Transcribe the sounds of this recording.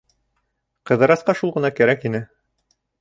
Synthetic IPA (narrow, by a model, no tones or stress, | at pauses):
qɤ̆ðɤ̆ɾɑsqɑʃulˠʁɤ̆nɑkæɾækinɘ